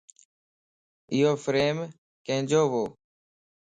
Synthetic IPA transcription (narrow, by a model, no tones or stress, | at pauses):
ɪjoːfɾeːm | kẽːd͡ʒoːʋoː